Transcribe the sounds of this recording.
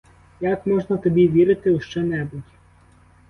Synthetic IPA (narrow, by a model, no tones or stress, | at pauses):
jakmɔʒnɐt̪ɔbʲiʋʲiɾɪt̪ɪuʃt͡ʃɛnɛbʊtʲ